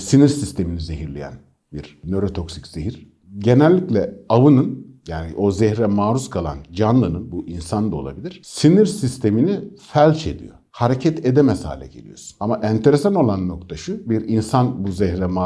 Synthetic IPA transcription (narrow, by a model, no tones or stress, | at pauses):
siniɾsist̪ʰe̞minizeɦiɾlʲejæ̰n | biɾnø̞ɾo̞t̪ʰo̞ksi̥cz̥eɦiɾ̥ | ɟe̞nælʲːiclʲɛavɯnɯnjaːnḭʔo̞zɛçɾɛmaːɾuskʰalˠa̰nd͡ʒanlˠɯnɯnbuʔinsand̪ao̞lˠa̰bilʲiɾ̥siniɾsist̪ʰe̞minifælʲt͡ʃʰe̞d̪ḭjo̞̰ | haɾecʰɛt̪ʰe̞d̪ɛmɛsha̰ːlʲɛ̰ɟe̞̰lʲḭjo̞̰ɾsu̥namaʔænt̪ʰe̞ɾesano̞lˠanːo̞kt̪ʰaʃɯbiɾinsanbuzɛçɾɛma